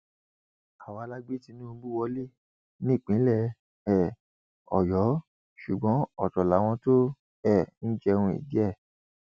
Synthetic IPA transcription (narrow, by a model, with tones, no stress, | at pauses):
a˨wa˨˧la˦ɡ͡be˦ti˧nũ˦˧˦ɡ͡bu˦wɔ˧˦le˦˨ | nĩ˦˨k͡pĩ˨˦lɛ˦˧˨ | ɛ˦˨ | ɔ̰˨jɔ˨˦ | ʃu˨ɡ͡bɔ̃˨˦ɔ˦˨tɔ˨la˨˦w̃ɔ̃˧to˦ | ɛ˦˨ñ̩˦d͡ʒɛ˧ũ˧ḭ˨di˦ɛ˦˨